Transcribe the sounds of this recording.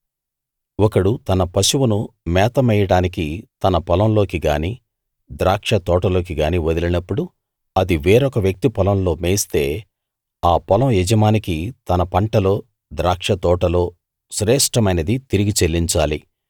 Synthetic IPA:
wɔkɐɽut̪ɐnɐpɐʃuwunumɛːt̪ɐmɛjɐɽaːnikit̪ɐnɐpɐlɐmlo̞ːkiɡaːniː | d̪ɾaːkʂɐt̪ɔːʈɐlo̞ːk̬iɡaːniːʋod̪ilinɐpːuɽu | ɐd̪iʋeːɾɔkɐʋjɐk̚t̪ipɐlɐmlo̞ːmeːst̪e̞ː | aːpɐlɐmjɛd͡ʒɐmaːnikit̪ɐnɐpɐɳʈɐlo̞ː | d̪ɾaːkʂɐt̪ɔːʈɐlo̞ː | ʃɾɛːʂʈɐmɐjnɐd̪it̪iɾiɡit͡ʃelːiɲt͡ʃaːli

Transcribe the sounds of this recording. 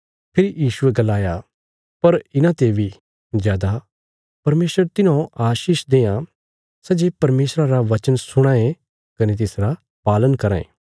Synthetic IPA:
pʰɪɾijiːʃʊeɡɐlaːja | pɐɾɪnãt̪ebʱi | zjaːd̪a | pɐɾmeːsɾəɾt̪ɪnãʔaːʃiːʃd̪eːã | sɛd͡ʒepɐɾmeːsɾaɾaʋɐt͡ʃənsʊɽ̃ãːẽ | kɐnet̪̬ɪsɾa | paːlənkɐɾã̰ːḛ̃ː

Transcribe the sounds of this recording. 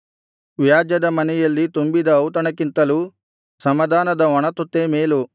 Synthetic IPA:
ʋjaːd͡ʒjɐd̪ɐmɐnɛjɐlːit̪umbid̪ɐːwt̪ɐɳɐkint̪ɐlu | sɐmɐd̪ʱaːnɐd̪ɐɔɳɐt̪ot̪ːeːmeːlu

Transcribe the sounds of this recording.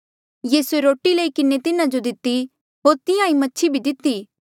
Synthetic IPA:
jiːsueɾoːʈiləikɪnet̪ɪnãd͡ʒod̪ɪt̪ːi | ɦoːɾt̪ɪjãĩmɐtːʃʰibʱid̪ɪt̪ːiː

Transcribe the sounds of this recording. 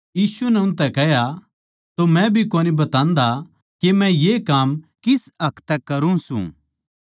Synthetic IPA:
jiːsunɛʊ̃nt̪̬ɛkɛɦja | t̪omɛ̃bʱikoːnibɐt̪ãːnd̪a | kemɛ̃jekaːmkɪsɐkʰt̪ɛkːɐɾũsṵ̃

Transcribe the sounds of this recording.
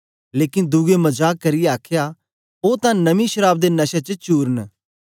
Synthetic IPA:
leːkɪnd̪uɡemɐd͡ʒaːkːɐɾɪjeaːkʰja | oːt̪ãnɐmĩʃəɾaːbd̪enɐʃat͡ʃət͡ʃuːɾən

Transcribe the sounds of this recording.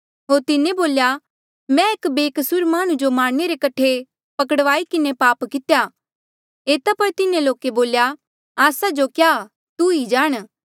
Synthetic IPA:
ɦoːɾt̪ɪnẽboːlja | mɛ̃eːkbeːkəsʊɾmaːɽ̃ud͡ʒomaːɽneɾekɐʈʰe | pɐkəɽʋaːikɪnepaːpkɪt̪ja | eːt̪apɐɾt̪ɪnẽloːkeboːlja | aːsad͡ʒokjaː | t̪uid͡ʒaːɽ̃

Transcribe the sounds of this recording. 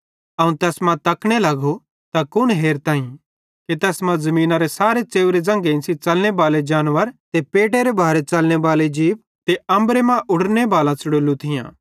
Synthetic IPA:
ɐũt̪ɛːsmãt̪ɐkɽ̃elɐɡo | t̪akʊnɦeːɾt̪aːĩ | ket̪ɛːsmãzɐmĩːnaɾesaːɾet͡ʃeːʊɾed͡zɐ̃ŋɡeɪ̃nsit͡ʃɐlñebaːled͡ʒaːnʋəɾt̪epeːʈ̬eɾebʱaːɾet͡ʃɐlñebaːled͡ʒiːʋ | t̪eɐ̃mbɾemãʔʊɽnebaːlãt͡sʊɽoːlut̪ʰɪjã̰ː

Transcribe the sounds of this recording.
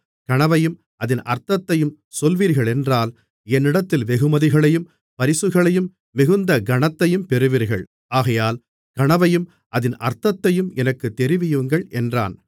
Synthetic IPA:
kɐɳɐʋɐjɯm | ʔɐðɪnʔɐ̰ɾt̪ɐt̪ːɐjɯm | sɔlʋiːɾɣɐɭɛndraːl | ɛnːɪɽɐt̪ːɪlʋɛɣɯmɐðɪɣɐɭɐjɯm | pɐɾɪsɯɣɐɭɐjɯmː | ɪɣɯnd̪ɐɡɐɳɐt̪ːɐjɯmpɛɾɯʋiːɾɣɐ̰ɭ | aːɣɐjaːl | kɐɳɐʋɐjɯm | ʔɐðɪnʔɐ̰ɾt̪ɐt̪ːɐjɯmɛnɐkːɯt̪ːɛɾɪʋɪjɯŋɡɐɭʔɛndra̰ːn

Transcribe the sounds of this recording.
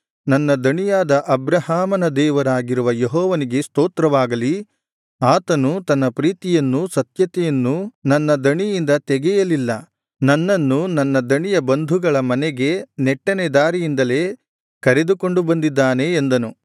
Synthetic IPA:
nɐnːɐd̪ɐɳijaːd̪ɐʔɐbɾɐhaːmɐnɐd̪ɛːʋɐɾaːɡiɾuʋɐjeɦɔːʋɐniɡe̞st̪oːt̪ɾɐʋaːɡɐli | aːt̪ɐnut̪ɐnːɐpɾiːt̪ijɐnːusɐt̪jɐt̪ɛjɐnːunɐnːɐd̪ɐɳijind̪ɐt̪ɛɡɛjɐlilːɐ | nɐnːɐnːunɐnːɐd̪ɐɳijɐbɐnd̪ʱuɡɐɭɐmɐnɛɡe̞nɛʈːɐned̪aːɾijind̪ɐle̞ː | kɐɾe̞d̪uko̞ɳɖubɐnd̪id̪ːaːne̞ːnd̪ɐnu

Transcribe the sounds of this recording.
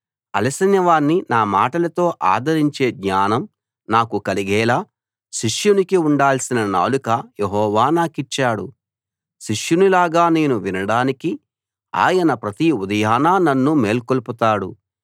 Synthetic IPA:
ɐ̰lɐsɐnjɐʋaːnːinaːmaːʈɐlɐt̪o̞ːʔaːd̪ʱɐɾiɲt͡ʃe̞ːɡɲaːnɐm | naːkukɐliɡɛːlaː | ʃiʂjunikiuɳɖaːlsinɐna̰ːlukɐjeɦɔːʋaːnaːkit͡ʃːaːɽṵ | ʃiʂjunilaːɡaːne̞ːnuʋinɐɽaːniki | a̰ːjɐnɐpɾɐt̪iud̪ɐjaːnaːnɐnːume̞ːlkolput̪aːɽṵ

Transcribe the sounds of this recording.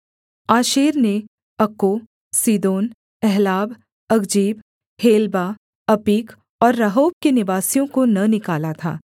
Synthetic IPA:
aːʃeːɾne | ɐkːo | siːd̪oːn | ɛɦlaːb | ɐɡd͡ʒiːb | heːlba | ɐpiːk | ɔːɾːɐɦoːb̚kenɪʋaːsijõkonɐnɪkaːlat̪ʰa̰ː

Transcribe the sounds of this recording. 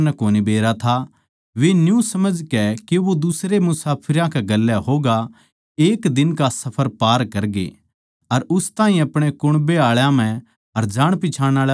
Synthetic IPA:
nɛkoːnibeːɾat̪ʰa | ʋenjũsɐməd͡ʒkɛkeʋod̪ʊsɾemʊsaːpʰɪɾãkeɡɐlːjaɦoːɡa | eːkd̪ɪnkasɐpʰəɾpaːɾkɐɾɡḛ | ɐɾʊst̪ãːɦĩɐpɽ̃ekʊɽ̃beaːɭjãm̤ɛ̃ | ɐɾd͡ʒaːɽ̃pɪt͡ʃʰãːɽ̃aːɭ

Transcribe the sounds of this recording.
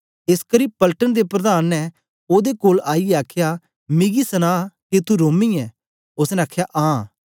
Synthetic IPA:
ɪskəɾĩːpɐlʈənd̪epɾɐd̪aːnːɛ | oːd̪ekoːlaːiɛaːkʰja | mɪɡisɐnaːket̪uɾoːmiɛː | ʊsnɛ̃aːkʰjaʔãː

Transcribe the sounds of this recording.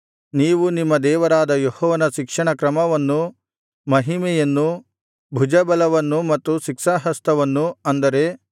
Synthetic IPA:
niːʋunimːɐd̪ɛːʋɐɾaːd̪ɐjohɔːʋɐnɐʃikʂɐɳɐkɾɐmɐʋɐnːu | mɐɦimɛjɐnːu | bʱud͡ʒɐbɐlɐʋɐnːumɐt̪ːuʃikʂaɦɐst̪ɐʋɐnːuɐnd̪ɐɾe̞

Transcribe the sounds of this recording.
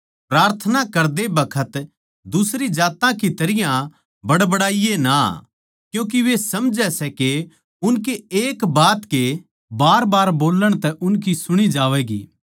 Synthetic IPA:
pɾaːɾt̪ʰənakɐɾd̪ebɐkʰət̪ | d̪ʊsɾid͡ʒaːt̪ãkit̪ɐɾɪjã | bɐɽbɐɽaːijena̰ | kjũːk̬iʋesɐmd͡ʒɛsɛke | ʊnkeeːkbaːt̪ke | baːɾbaːɾboːləɽ̃t̪ɛʔʊnkisʊɽ̃id͡ʒaːʋɛɡḭː

